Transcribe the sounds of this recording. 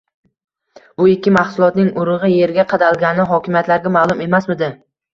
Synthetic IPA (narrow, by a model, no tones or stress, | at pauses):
b̥ʊɪkʲʰːɪmahsʊlˠɒt̪nɪŋʊɾɨʁɨje̞ɾɡʲaqʰɑd̪alˠɡʲanɪɦɒkʲʰɪmjat̪laɾɡʲamalˠʊme̞masmɪd̪ɪ